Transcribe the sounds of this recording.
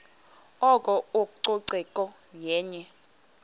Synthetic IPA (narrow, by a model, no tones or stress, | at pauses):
ɔkʼɔokʼuǀoǀɛkʼɔ | jɛːɲɛ